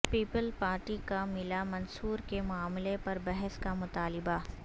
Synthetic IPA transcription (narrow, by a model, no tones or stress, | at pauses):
piːpəlpaːɾʈikamɪlamɐnsuːɾkemʊaːmlepɐɾbɛɦɛskamʊt̪aːlɪba